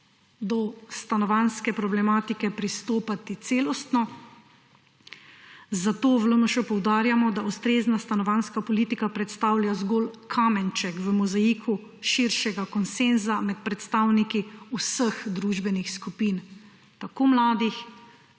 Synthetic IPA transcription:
d̪ɔst̪anɔʋanskɛpɾɔblɛmaːt̪ikɛpɾist̪oːpat̪it̪seːlɔst̪nɔ | zat̪oːʋlonɔʃɛpɔwd̪aːɾjamɔd̪aust̪ɾeːznast̪anɔʋanskapɔliːt̪ikapɾɛt̪st̪aːwljazɡolkʰamɛnt͡ʃɛkʋəmɔzajiːkʰu | ʃiɾʃɛɡakɔnsenzamɛt̪̚pɾɛt̪st̪aːwnikiusəxd̪ɾuːʒbɛnixskupiːn | t̪akoːmlaːd̪ix

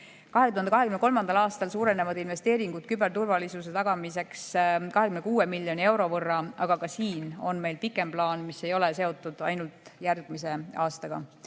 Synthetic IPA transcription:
kɑɦe̞t̪uhɑnd̪kɑɦe̞kymnekolmɑnd̪ɑlɑːst̪ɑlsuːɾe̞nevɑd̪̥inve̞st̪e̞ːɾiŋɡ̥ut̪̚kybe̞rt̪urvɑlisus̬e̞t̪ɑɡ̥ɑmis̬e̞kskɑɦe̞kymne̞kuːe̞milːjo̞nie̞wɾo̞vɤrːɑɑɡ̥ɑkɑsiːno̞̰nme̞jlpikːˑe̞mplɑːnmise̞jo̞le̞se̞o̞t̪ːˑud̪̥ɑ̰jnult̪ˑjærɡ̥mis̬e̞ɑːst̪ɑɡ̥ɑ̰

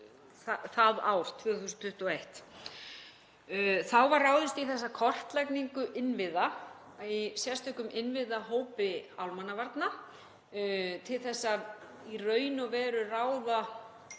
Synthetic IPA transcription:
θaθaða̰ːwɾ̥t̪ʰvʏːaθusnt̪ʰʏht̪ɔejht̪ | θawvarːaːwðɪst̪iθɛsːakʰɔr̥t̪lajkniŋkʏʔɪnvɪða | isjɛ̥st̪ʰœhkʏmʔɪnvɪðaɦoːwpɪawlmanːavaɾt̪na | t̪ʰɪlθɛsːa | irœːɥnɔvɛːɾʏraːwða

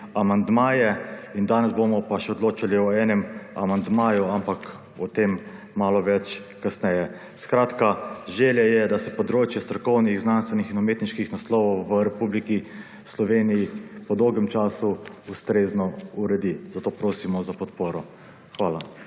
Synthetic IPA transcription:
amand̪maːjɛind̪aːnɛzbomɔpaʃɛɔd̪loːt͡ʃaliɔɛːnɛma̰mand̪maːjuampak | ɔt̪eːmː | aːlɔʋɛt͡ʃ | kasnɛjɛ | skɾaːt̪kaʒeːljɛjɛd̪asɛpɔd̪ɾoːt͡ʃjɛst̪ɾɔkɔwniɣznanst̪ʋɛnixinɔmeːt̪niʃkixnaslɔwɔwʋəɾɛpubliki | slɔʋeːnijipɔd̪ɔwɡɛmt͡ʃaːsuust̪ɾeːznɔuɾɛd̪iz̥at̪oːpɾoːsimɔzapɔt̪poːɾɔ | xʋaːla

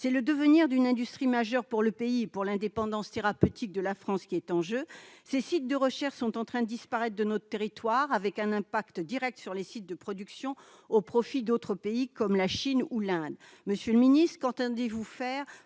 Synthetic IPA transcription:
sɛləd̪əvəniʁd̪ynɛ̃d̪yst̪χimaʒœʁpuʁləpeipuʁlɛ̃d̪epɑ̃d̪ɑ̃st̪eʁapøt̪ʰik̚d̪əlafχɑ̃skʲiɛt̪ɑ̃ʒøsesit̪̚d̪əʁəʃɛʁʃsɔ̃t̪ɑ̃t̪χɛ̃d̪əd̪ispaʁɛt̪χd̪ənɔt̪χət̪eʁit̪waʁavɛkɛ̃nɛ̃pakt̪d̪iʁɛk̚t̪syʁlesit̪̚d̪əpχɔd̪yksjɔ̃ | opχɔfid̪ot̪χəpeikɔmlaʃinulɛ̃d̪ | məsjøləminist̪χəkɑ̃t̪ɑ̃d̪evufɛːʁ

